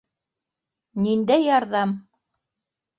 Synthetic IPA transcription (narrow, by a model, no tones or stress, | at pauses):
nind̪æjɑɾðɑm